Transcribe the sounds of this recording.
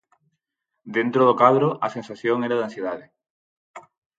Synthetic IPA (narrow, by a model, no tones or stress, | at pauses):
d̪ent̪ɾoðokaðɾoʔasensaθjoŋeɾaðãnsjeðaðe